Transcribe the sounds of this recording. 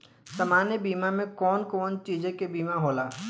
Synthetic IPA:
sɐmaːnjebiːmamẽkɔːnkɔːnt͡ʃiːd͡ʒekebiːmaɦoːlaː

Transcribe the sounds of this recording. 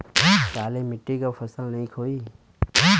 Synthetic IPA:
kaːleːmɪʈːikafəsəlnɐĩkʰoːiː

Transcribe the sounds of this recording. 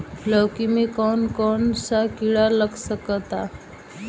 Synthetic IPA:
ləwkimikɔɳkɔɳsakiɭaləɡsəkət̪a

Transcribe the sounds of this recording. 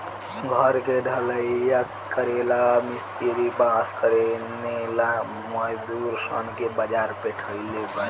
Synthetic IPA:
ɡʱəɾkeɖʱələija | kəɾelamist̪iɾibaskəɾenela | məjd̪uɾsə̰nkebəd͡ʒaɾpeʈʰəilebə

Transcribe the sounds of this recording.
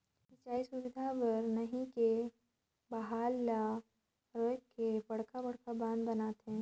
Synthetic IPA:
sɪt͡ʃaːisʊwɪd̪ʱapɐɾnɐɦĩke | bɐɦaːlːa | ɾoːjkːebɐɽkabɐɽkabãːnd̪bɐnaːt̪ɦɛ̃ː

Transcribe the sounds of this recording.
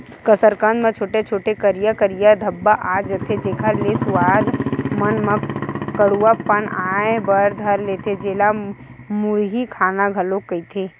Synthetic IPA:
kəsəɾkə̃nd̪mẽt͡ʃʰoːʈet͡ʃʰoːʈekəɾijakəɾijad̪ʱəbːaʔaːd͡ʒət̪ʰed͡ʒekʰalesʊwaːd̪mənməkəɽuapənaːebəɾd̪ʱəɾleːt̪ʰed͡ʒeːla | mʊɾɦikʰaːnaɡʱɐəlokːəit̪ʰeː

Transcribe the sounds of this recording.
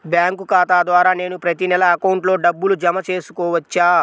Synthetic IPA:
bjaːŋkukaːt̪aːd̪ʋaːɾaːne̞ːnupɾɐt̪inɛlɐːkɐwɳʈlo̞ːɖɐbːulud͡ʒɐmɐt͡ʃe̞ːsu̥kɔːʋɐt͡ʃːaː

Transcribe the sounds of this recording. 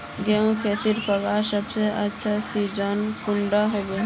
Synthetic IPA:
ɡeũkʰet̪iɾpəkasəbseʔətːʃʰasid͡ʒankuɳɖaɦobe

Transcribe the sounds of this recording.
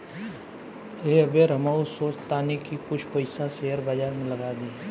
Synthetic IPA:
eɐbeɾɐmaːusoːt͡ʃt̪aːnikikʊt͡ʃʰpɐɪsaseɦəɾbaːd͡ʒaːɾmẽlɐɡaːd̪iː

